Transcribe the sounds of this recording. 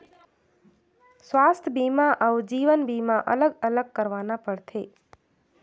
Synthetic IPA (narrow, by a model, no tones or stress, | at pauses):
sʋast̪ʰəbimaʔəud͡ʒiʋənbimãʔələɡələɡ̚kəɾʋanapəɽt̪ʰe